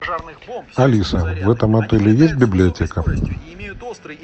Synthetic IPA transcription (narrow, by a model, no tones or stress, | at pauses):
alʲisɐvɛt̪ɐmat̪ɛlʲɪjesʲtʲbʲiblʲijatʲɛkɐ